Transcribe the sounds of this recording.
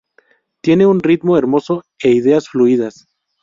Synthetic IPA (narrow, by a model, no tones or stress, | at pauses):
t̪je̞ne̞unrit̪mo̞e̞ɾmo̞so̞ | e̞iðe̞asfluiðas